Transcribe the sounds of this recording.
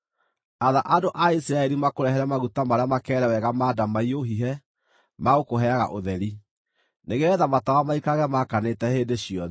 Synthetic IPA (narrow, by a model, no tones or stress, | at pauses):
aðaʔadoʔaisiɾaɛɾimakoɾɛɦɛɾɛmaɣutamaɾeamakɛːɾɛwɛɣamaːdamaioɦiɦɛ | maokoɦɛaɣaʔoðɛɾi | neɣeɛðamatawamaikaɣɛmakanetɛheːndeɕiɔ